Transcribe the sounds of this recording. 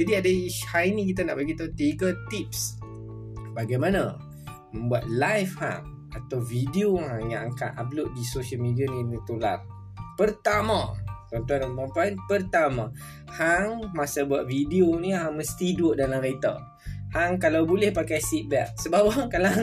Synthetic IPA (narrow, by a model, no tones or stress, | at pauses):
d͡ʒadiadahajnĩk̬it̪ana̰ʔbaɡit̪aut̪ekat̪ip̚s | baɡajmãnã | mə̃mbuat̪̚lajfha̰ŋ | ʔat̪awvidiohaŋjãŋaŋka̰ʔ̪a̰p̚loʔ̚disosəlmidianĩnit̪ola̰r | pərt̪ama̰t̪ɔnt̪uanapampainpərt̪amã | haŋmasabuaʔ̪̚vidionĩɦaŋməst̪idʊʔdalamɾet̪a̰ | haŋkalawbolɛhpakajsit̪̚bɛ̰k̚səbap̚haŋkala